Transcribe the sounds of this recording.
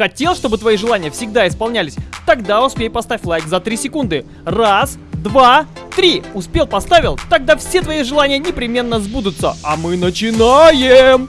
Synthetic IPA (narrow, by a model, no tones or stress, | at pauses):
xɐtʲe̞lˠʂt̪o̞bɨt̪vɐiʐɨlˠanʲɪjəfsʲɪɡd̪aɪspɐlˠnʲælʲɪsʲt̪ɐɡd̪aʊspʲejpɐst̪afʲlˠajkzɐt̪ɾʲisʲɪkund̪ɨ | rasd̪vat̪ɾʲiʊspʲe̞lˠpɐst̪avʲɪlˠt̪ɐɡ̚d̪afsʲe̞t̪vɐiʐɨlˠanʲɪjənʲɪpɾʲɪmʲe̞nːəzbud̪ʊt̪səamɨnət͡ɕɪnajɪm